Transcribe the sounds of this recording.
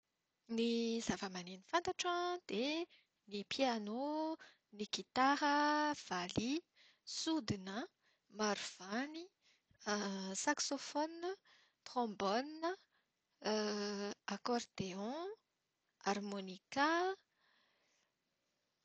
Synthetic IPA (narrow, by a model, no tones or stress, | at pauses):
nizavəmaninifãnt̪aʈ͡ʂãd̪̥e | nipʰiano | nikit̪aɾəv̥ali | sud̪inə | maɾv̥ani | saksofɔnːə | t̪χɔ̃bɔnːə | akɔrd̪eɔ̃ | aɾmonika